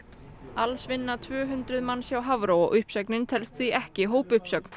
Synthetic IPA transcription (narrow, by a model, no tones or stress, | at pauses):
alsvɪnːat̪ʰvœːɦʏnt̪ɾʏðmanːsjawɦavɾowɔ̰ʔʏhpsœknɪnt̪ʰɛlst̪θiʔɛhcɪɦoːwpʏhpsœkn̥